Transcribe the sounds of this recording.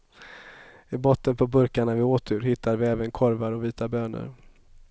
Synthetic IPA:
ɪbɔt̪ːənpʰɔbɵɾkaɳavɪoːt̪ʰʉɾɦɪt̪ʰːad̪vɪɛːvənkʰɔɾvaɾɔviːt̪abøːnə̰ɾ

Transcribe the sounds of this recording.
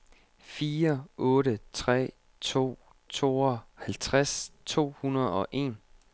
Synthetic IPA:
fiːɐɔ̽ːɾət͡sʰʁɛ̰ː | t͡sʰo̝̰ː | t͡sʰo̝̰ːɒhælt͡sʰʁast͡sʰo̝̰ːhunɐð̞ˠɒ̽ʔe̝ːn

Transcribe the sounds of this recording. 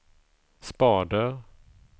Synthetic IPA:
spɑːd̪əɾ

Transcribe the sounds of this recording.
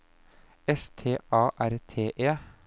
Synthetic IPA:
ɛst̪ʰeːʔɑːʔæɾt̪ʰeːʔeː

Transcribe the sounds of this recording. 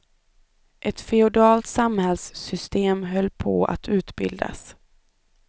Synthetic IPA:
ʔɛt̪fɛʊd̪ɑːlt̪samhɛlsːʏst̪eːmɦœlːpʰɔ̰ːa̰t̪ʉ̟ːt̪bɪ̰ld̪a̰s

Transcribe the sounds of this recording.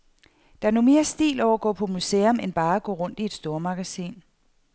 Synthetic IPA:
d̥ɑ̈æɐnome̝ːɐsd̥ḭːlɒʊ̰ɐɡ̥ɔ̰ːpʰɒ̽museːɔmenb̥ɑ̈ːæɡ̥ɔ̰ːʁɔ̽n̰d̥ie̝d̥sd̥o̝ːɐmɑ̈ɡ̥æsḭːn

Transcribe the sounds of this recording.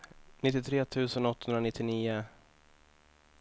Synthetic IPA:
nɪt̪ːɪt̪ʰɾeːt̪ʰʉ̟ːsənɔt̪ːhɵnɾanɪt̪ːɪniːʊ

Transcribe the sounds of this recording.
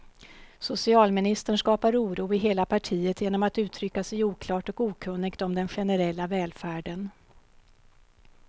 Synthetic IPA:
sʊsɪɑːlmɪnɪst̪əɳʂkɑːpaɾuːɾuːɪɦeːlapʰaʈʰiːət̪jeːnɔmat̪ʉ̟ːt̪ʰɾʏkːasɛjuːkʰlɑːʈɔkuːkʰɵnːɪɡt̪ɔmd̪ɛnɧɛnəɾɛlːavɛːlfæːɖən

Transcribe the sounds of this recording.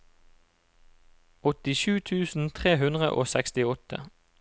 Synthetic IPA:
ɔt̪ɪʃʉːt̪ʰʉːsn̩t̪ʰʁeːɦʉnd̪ʁə̰ʔo̰ːsækst̪ɪɔt̪ʰə̰

